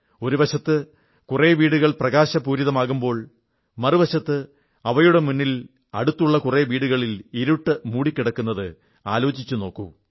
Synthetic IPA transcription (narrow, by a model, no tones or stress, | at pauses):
o̞ɾuʋɐɕɐt̪ːɨ | kure̞ːʋiːɽuɣɐɭprɐɣaːɕɐpuːɾiðɐmaːɣumbo̞ːɭ | mɐrɨʋɐɕɐt̪ːɨ | ɐʋɐjuɽe̞munːil | ɐ̰ɽut̪ːuɭːɐkureʋiːɽuɣɐɭiliɾuʈːɨmuːɽikʲːiɽɐkːunːɐðɨ | a̰ːlo̞ːd͡ʑit͡ɕːuno̞ːkːṵ